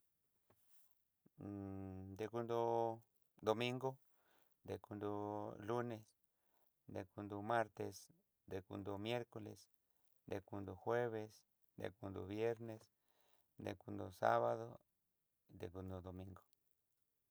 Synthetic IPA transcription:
d̪e˨ku˧nd̪o˧ | d̪o˧mĩ˦ŋɡo˦ | d̪e˨ku˧nd̪o˧lu˦ne˨s | d̪e˨ku˧nd̪o˨ma˦ɾt̪es | d̪e˨kṵ˧nd̪o˨mje˦ɾkolḛ˨s | d̪e˨ku˧nd̪o˨xwe˦βes | d̪ḛ˨ku˧nd̪o̰˨βje˦ɾnes | d̪ḛ˨ku˧nd̪o˨sa̰˦βaðo˦ | d̪ḛ˨ku˧nd̪o˨d̪o˨mĩŋɡo̥˨

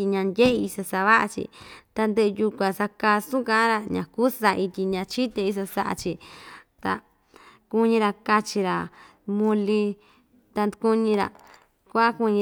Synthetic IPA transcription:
i˧ɲã˧ndʲe˦ʔe˧i˧sa˧sa˧βa˦ʔa˧t͡ʃḭ˧t̪a˧nd̪e˦˧ju˧kʷã˨sa˧ka˧sũ˦kã˦ɾa˧ɲã̰˨kuː˦sa˧i˧t̪ʲi˧ɲã˧t͡ʃi˦t̪e˧i˦s̬a˧sa˧ʔa̰˧t͡ʃi˧t̪a̰˧ | ku˦˧ɲĩ˧ɾa˧ka˧t͡ʃi˧ɾa˨ | mũ˧li˧ | t̪a˧nd̪u˧ku˧ɲĩ˧ɾa̰˨ | kʷa˦ku˧ɲĩ˧

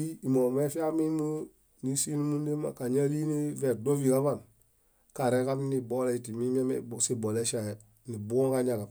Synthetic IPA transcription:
i˦i˨mo˨me˦fi˦a˦mi˦nu˦ | ni˦si˦nu˦mu˦nde˦ma̰˨ka˨ɲa˦ɾi˦ni˦ve˨do˦vi˨ka˦βa˦˨n | ka˨ɾe˦ka˦m˦ni˦bo˦le˦i˨ti˨mi˦m˦e˦mḛsi˦bo˨le˦ʃa˨e˨ | ni˨bu˦o˦ŋka˦ɲa˨ka˨p

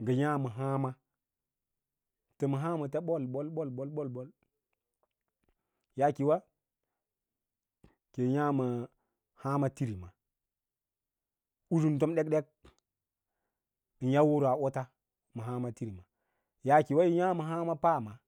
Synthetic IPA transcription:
ɡə˨ja˦ma˨ɦa˦ma˦ | tə˨ma˨ɦa˦ma˨ta˦ɓo˦lɓo˦lɓo˦lɓo˦lɓo˦lbo˦l | ja˨ki˨wa˦ | ke˨ja˦ma˨ | ha˦ma˦ti˦ɾi˨ma˨ | u˦d͡ʒu˦n˨to˦mɗe˦k̚ɗe˦k̚ | i˨nja˦wo˦ɾa˨ʔo˦ta˦ | mə˨ɦa˦ma˦ti˦ɾi˨ma˨ | ja˦ki˨wa˦ji˦ja˦ma˨ɦa˦ma˦pa˦˨ma˨

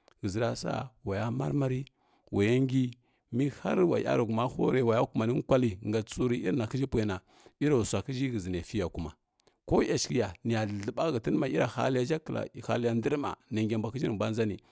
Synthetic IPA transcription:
ɡə˨zi˨ɾa˨sa̰˦wa˨ja˦ma̰˦ɾma˦ɾi˦ | wa˨ja˦ŋɡi˦ | mi˦ha̰˦ɾwa̰˨ja̰˦ɾu˨ɡu˨ma˦ho̰˦ɾe˨wa˨ja˦ku˦˨ma˨ni˦kʷa˦li˨ŋɡa˨t͡su˦ɾi˦i˦ɾna˨ki˦d͡ʒi˦pʷe˨na˨ | i˦ɾa˨sʷa˨ki˦d͡ʒi˦ɡə˨zi˨na˨fi˦ja˨ku˨ma˨ | ko˦ja˨ʃki˨ja˨ni˨ja˨ɮə˨ba˦ɡa˨ti˦n˦ma˨i˦ɾa˨ha̰˦li˦ja˦d͡ʒa˦kːə˨la̰˨ha̰˦li˦ja˦ndi˦ɾma̰˨na˨ŋɡʲa˨mbʷa˨ki˦d͡ʒi˦ɾi˨bʷa˦n˦za˦ni˨

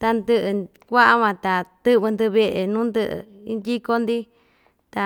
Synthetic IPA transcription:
t̪a˧nd̪ɨ˧ʔɨ˧ | kʷa˦ʔa˦βã˧t̪a˨t̪ɨ˦βɨ˧nd̪ɨ˧βe˧ʔe˨nũː˦nd̪ɨ˦˧ʔɨ̰˧ | i˦nd̪i˦ko˦nd̪i˦ | t̪a˨

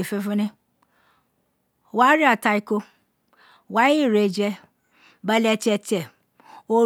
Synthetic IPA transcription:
e˨fe˧fu˦nẽ˦˨ | wa˦ɾi˦a˨ta˧i˦ko˦ | wa˦i˦˨ɾe˨d͡ʒɛ˧ | ba˦lɛ˧tɛ˧tɛ˨ | o˦

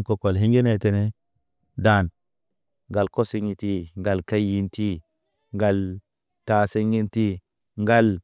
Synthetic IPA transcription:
ko˨ko˨lɦi˦ŋɡi˦ne˨te˨ne˦ | da˨n | ŋɡa˨lko˦si˦ŋi˨ti˦ŋɡa˨lka˦jji˦nti˦ | ŋɡa˨l | ta˨si˦ŋi˦nti˦ | ŋɡa˦l

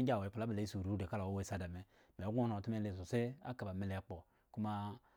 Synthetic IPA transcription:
ɡʲa˦˨we˨˦pu˨la˦ba˨le˨˦i˦su˨ɾu˦de˨ka˦la˨wo˦we˦sa˦da˨me˦ | me˨˦ɡʷo˦no˨ti˦me˦le˨s̬o˨se˦a̰˦ka˨ba˨me˦le˨˦k͡po˨ | ku˦ma˦

